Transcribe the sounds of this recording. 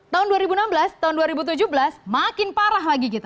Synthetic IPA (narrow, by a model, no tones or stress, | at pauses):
t̪aʊnduaɾibunambəlast̪aʊnduaɾibut̪̬ud͡ʒuhbəlasmakɪnpaɾaɦlaɡikit̪a